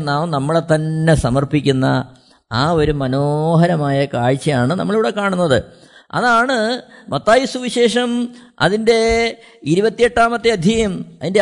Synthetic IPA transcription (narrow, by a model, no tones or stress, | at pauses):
nːaːnɐmːɐɭet̪ɐnːe̞sɐmɐrpikʲːunːɐ | aːo̞ɾumɐno̞ːɦɐɾɐmaːjɐkaːɻt͡ɕːɐjaːɳɨnɐ̰mːɐɭiʋɽekaːɳunːɐðɨ | ɐ̰ðaːɳɨmɐt̪ːaːjisuʋiɕe̞ːʂɐm | ɐ̰ðinde̞ | iɾubɐt̪ːijeʈːaːmɐt̪ːeɐd̪ʱjɐjɐmɐðinde